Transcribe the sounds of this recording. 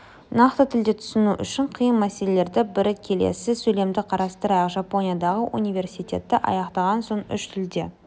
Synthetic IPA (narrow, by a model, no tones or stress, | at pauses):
nɑqt̪ət̪ʰɪld̪e̞t̪ʰʏ̥sɪnuʔʏʃɪɴqʰijənmæse̞lele̞ɾd̪ɪbɪɾkʲʰe̞lḛsɪsɵle̞md̪ɪqʰɑɾɑst̪əɾɑjɑqʒɑpo̞nʲijad̪ɑʁəʔṵnijve̞ɾsijt̪ʲe̞̰t̪ːɪʔɑ̰jɑqt̪ɑʁɑnsoɴʏʃt̪ʰɪld̪e̞